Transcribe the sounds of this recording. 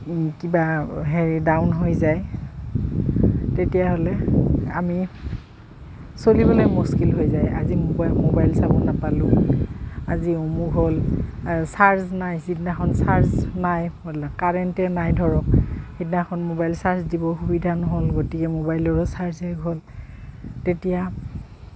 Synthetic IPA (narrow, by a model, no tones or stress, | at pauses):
kibaɦeɹidaʊnɦojzaj | tetijaɦɔlɛa̰mi | solibɔlojmuskilɦojzaja̰zimmobajlsabɔnapalʊ̃ | aziomuɡɦol | saɹznajzitinaxʰɔnsaɹznajmodlakaɹɛntɛnajdʱɔɹɔkhitnaxʰɔnmobajlsaɹzdibɔxubidʱanɔɦɔlɡotikɛmobajlɔɹɔsaɹzɛɡɦol | tetija